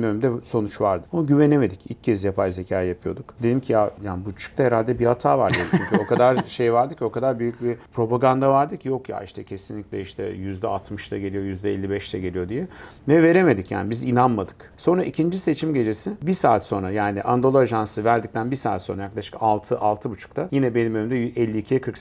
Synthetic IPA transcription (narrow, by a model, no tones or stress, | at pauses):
møymd̪ɛso̞nut͡ʃvaɾd̪ɯoɟyve̞neme̞d̪icḭlʲcːʰɛzjapʰajze̞cʰaːjjapʰɯjo̞d̪ukd̪elʲimcʰijajaːnbut͡ʃʰu̥k̚t̪ʰaheɾalʲd̪ɛbihat̪ʰaːvaɾd̪id̪it͡ʃʰyɲcʰyo̞kʰad̪aɾʃejvaɾd̪ɯcʰo̞kʰad̪aɾbyjyc̚bipʰɾo̞paɡand̪avaɾd̪ɯcʰjo̞kja̰ʔiʃt̪ʰɛcʰe̞sinlʲicʲlʲɛiʃt̪ʰɛ̰jyzd̪ɛ̰at̪ʰmɯʃt̪ʰaɟe̞lʲijo̞jyzd̪ɛɛlʲːibɛʃt̪ʰɛɟe̞lʲijo̞d̪ijɛ | vɛve̞ɾe̞me̞d̪icja̰ːnibizinanmad̪ɯk | so̞nɾaʔicʰind͡ʒise̞t͡ʃʰimɟe̞d͡ʒe̞sɪbisaːt̪so̞nɾajaːniʔand̪o̞lˠoaʒansɯvæɾd̪ic̚t̪ʰænbisaːt̪so̞nɾajaklˠaʃɯ̥kalˠt̪ʰɯʔalˠt̪ʰɯbut͡ʃʰu̥k̚t̪ʰajinɛbe̞nimønymd̪ɛʔɛlʲːiːcʰijɛkʰɯɾks